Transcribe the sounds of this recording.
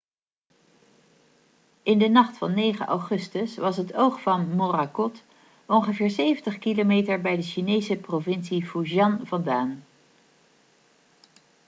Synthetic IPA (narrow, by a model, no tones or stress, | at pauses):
ɪndənɑχtfɑnːejχə̰ʔɑ̰wχɵstəsʋɑsɦətowχfɑnmorakɔt | ɔnχəvɪːɹsejvəntəχkilomejtəɹbɛjdəʃinejsəprovɪnsifuʒɑnvɑndaːn